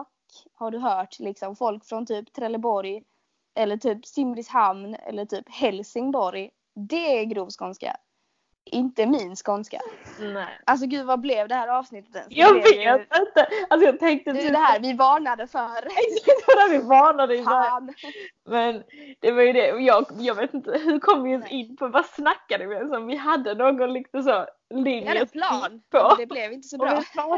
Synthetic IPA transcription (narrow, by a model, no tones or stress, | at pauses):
kː | haɖɵɦœːʈlɪksɔmfɔlkfɾɔnt̪ʰyːpt̪ʰɾɛlːəbɔɾj | ʔɛlːəʈʰyːpsɪmlɪshamnɛ̰lːəʈʰyːphɛlsɪŋbɔɾj | d̪ɛɛɡɾuːvskɔnska̰ | ʔɪnt̪əmɪnskɔnska̰nɛʔals̬ɔɡʉ̟ːdvablɛvd̪ɛhæːɾɑːvsnɪt̪ːə̥t̪ɛsjɑːɡveːɪnt̪əals̬ɔjɑːɡ̚t̪ʰɛŋk̚t̪əɛd̪ɛhæɾvɪvɑːnad̪əfœɾd̪ævɪvɑːɳad̪əɪba | mɛnd̪̥ɛvaɾjɵd̪ɛɔjɑːɡjɑːɡveːt̪ɪnt̪ːəɦʉɾkʰɔmːjɵsɪnːpʰɔvasnakːad̪əvɪɛnsɔmvɪɦad̪ːənoːɡɔnlɪkt̪əs̬ɔ | lɪŋənpʰɔd̪blɛvɪnt̪əsɔbɔɛ